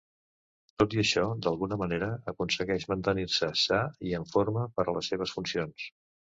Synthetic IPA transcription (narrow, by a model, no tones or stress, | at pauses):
t̪ot̪iəʃɔd̪əlˠɣunəməneɾəəkunsəɣɛʃmənt̪ənirsəsaiəɱfoɾməpəɾələsːeβ̞əsfunsions